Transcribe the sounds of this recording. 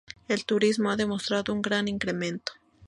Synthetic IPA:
elt̪uɾizmoaðemost̪ɾaðouŋɡɾaniŋkɾement̪o̥

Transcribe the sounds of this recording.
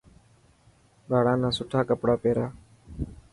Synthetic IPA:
ɡaːɽãːnãːsʊʈʰaːkəpɽaːpeːɾaː

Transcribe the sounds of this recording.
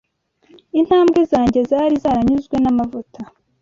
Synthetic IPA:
in̥haːmbɡezaːɲɟe̞zaɾizaɾaɲuzɡwe̞namavutʰa

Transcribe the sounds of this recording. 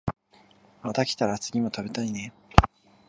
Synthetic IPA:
mat̪akʲi̥t̪aɾat͡sɨɡʲimo̞t̪abe̞t̪aine̞

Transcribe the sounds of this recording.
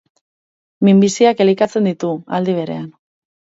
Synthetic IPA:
mimbisiake̞likat͡se̞nd̪it̪ua̰ld̪iβ̞e̞ɾe̞an

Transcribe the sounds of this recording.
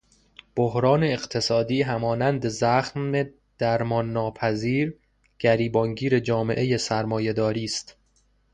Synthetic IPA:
b̥ohɾɒːne̞ːɢt̪ʰe̞sɒːd̪iːɦæmɒːnænd̪e̞zæxe | d̪̥æɾmɒːnːɒːpʰæziːɾ | ɟ̥æɾiːbɒŋɟiːɾe̞d͡ʒɒːme̞̰ʔe̞jesæɾmɒːje̞d̪ɒːɾiːst̪

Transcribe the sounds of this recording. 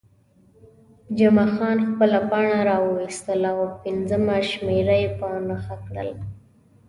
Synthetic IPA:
d͡ʒamaxɑnxpəlapaɳaɾɑwəwist̪əlawpɪnzəmaʃmeɾajepənaxakɽə̰l

